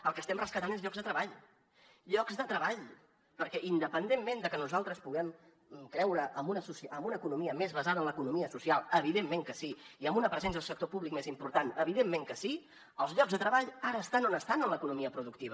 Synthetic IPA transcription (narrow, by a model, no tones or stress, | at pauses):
əlˠkəst̪ɛmrəskət̪anezʎɔɡzðət̪ɾəβaʎ | ʎɔɡzðət̪ɾəβaʎ | pəɾkɛʔind̪əpənd̪emmend̪əkənuzalˠt̪ɾəspuɣɛm | kɾɛwɾəʔəmbunəsusəmbunəːkunumiəmezβəzaðənləkunumiəsusialˠəβ̞iðemːeŋkəsiiəmbunəpɾəzɛns̬əðəlˠsək̚t̪opuβlik̚mezimpuɾt̪anəβiðemːeŋkəsi | əlˠzʎɔɡzðət̪ɾəβaʎaɾəːst̪anonəst̪anənləkunumiəpɾuðuk̚t̪iβ̞ə